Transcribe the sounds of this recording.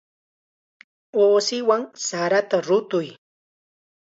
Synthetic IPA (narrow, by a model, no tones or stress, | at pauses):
oːsɪwaŋsaɾat̪aɾʊt̪ʊj